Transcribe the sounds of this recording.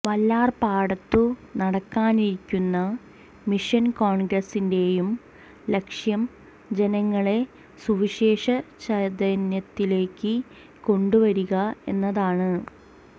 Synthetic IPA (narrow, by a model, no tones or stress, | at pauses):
ʋɐlːaːrpaːɽɐt̪ːunɐɽɐkːaːniɾikʲːunːɐ | miʂɐnkoːɳɡrɐsinde̞jum | le̞kʂjɐm | d͡ʑe̞nɐŋːɐɭe̞ | suʋiɕe̞ːʂɐt͡ɕɐd̪ɐnjɐt̪ːile̞ːkːɨ | ko̞ɳɖuʋɐɾuɣɐe̞nːɐðaːɳɨ